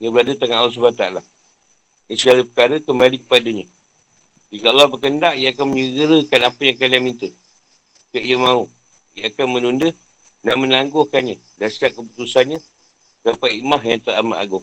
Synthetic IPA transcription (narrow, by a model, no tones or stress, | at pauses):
ɲəbəɾadət̪aŋanalɔhs̬ubaat̪aala | isəɡaləpə̥kaɾəkəməadikə̥padəɲə | d͡ʒikaʔalɔbəkəndaʔijəakanməɲəɡəɾəkanapəjaŋkalamint̪ə | kəʔijəmãu | jəakanmənundə | naʔmənaŋɡʊkanɲə̃ | dansiap̚kəp̬ut̪usanɲə̃ | sapajimaɦjaŋt̪əɾamaʔa̰ɡʊŋ